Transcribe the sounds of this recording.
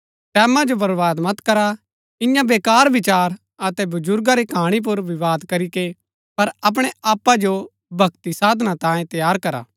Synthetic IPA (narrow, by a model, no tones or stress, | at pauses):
ʈɛːmãd͡ʒobɐɾʋaːd̪mɐt̪kɐɾa | ɪ̃jãbeːkaːɾʋɪt͡ʃaːɾ | ɐt̪ɛbɐd͡ʒʊɾɡaɾikʰaːɽ̃ip̬ʊɾʋɪʋaːd̪kɐɾike | pɐɾɐp̬ɽ̃eaːpːad͡ʒo | bʱɐkt̪isaːd̪ʱnãt̪ãːjẽt̪ɐjaːɾkɐɾa̰ː